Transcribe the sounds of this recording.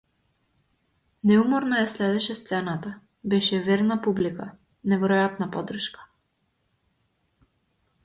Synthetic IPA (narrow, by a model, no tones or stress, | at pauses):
nɛumɔɾnɔjaslɛd̪ɛʃɛst̪sɛnat̪a | bɛʃɛvɛɾnapublika | nɛvɛɾɔjat̪napɔd̪r̩ʃkḁ